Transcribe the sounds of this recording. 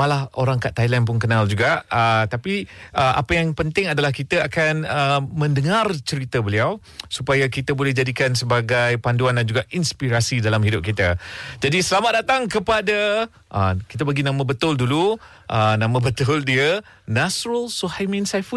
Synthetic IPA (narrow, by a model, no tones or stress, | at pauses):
malahoɾaŋkaʔt̪ajlanp̬ʊnkənald͡ʒuɡaʔət̪apiʔəʔa̰pajaŋpənt̪ɪŋadalahkit̪aakanəmə̃ndəŋart͡ʃəɾit̪abəliaw | supajakit̪abolɛhd͡ʒadikansəbaɡajpanduandand͡ʒuɡaʔinspiɾasidalamhidʊp̚kit̪ad͡ʒadisəlamat̪̚dat̪aŋkəpada | ʔəki̥t̪̬apəɡinãmãbət̪ʊldulu | ʔənãmãbət̪ʊldiə | nasɾəlsuhajmĩnsajfu